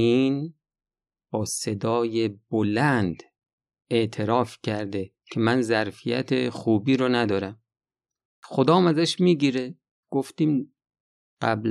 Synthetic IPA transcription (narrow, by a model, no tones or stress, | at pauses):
iːn | bɒːse̞d̪ɒːjebolænd̪ | eʔt̪ʰe̞ɾɒːfcʰæɾd̪e | cʰe̞mænzæɾfijæ̰t̪ʰexuːbiːɾonæd̪ɒːɾæm | xod̪ɒːmæzæʃmiːɟiːɾe | ɡ̥oft̪iːm | ɢ̥æbl